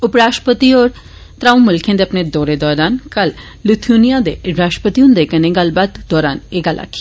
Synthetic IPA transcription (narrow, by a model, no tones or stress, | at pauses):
ʊpɾaːʃʈpət̪iɔːɾ | t̪ɾãːũmʊlkʰẽnd̪eɐpned̪ɔːɾed̪ɔːɾaːnkɐl | lʊt̪ʰjunijãd̪eɾaːʃʈpət̪ijũnd̪ekɐnẽɡalbaːd̪d̪ɔːɾaːneɡalʔa̰ːkʰi̥